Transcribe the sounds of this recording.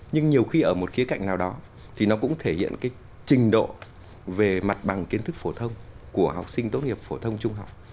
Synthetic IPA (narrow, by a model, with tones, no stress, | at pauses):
ɲɨ˧ŋɲi˨˩əwxi˧ʔəː˧˩mo˨˩t̚xi˨˦əka̰˧˨jŋ̟naː˨˩wɗɔ˨˦ | t̪ʰi˨˩nɔ˨˦kʊ̰˧˥ŋ͡mt̪ʰe˧˩hḭ˧˨ənkaː˨˦j | t͡ɕï˨˩ŋ̟ɗo̰˧˨ | ve˨˩ma˨˩t̚ɓa˨˩ŋki˨˦ənt̪ʰɨ˦˥k̚fo˧˩t̪ʰə˧wŋ͡mku˧˩əɦa̰˨˩wk͡p̚sï˧ŋ̟t̪o˦˥t̚ŋi˨˩əp̚fo˧˩t̪ʰə˧wŋ͡mt͡ɕʊ˧ŋ͡mɦa˨˩wk͡p̚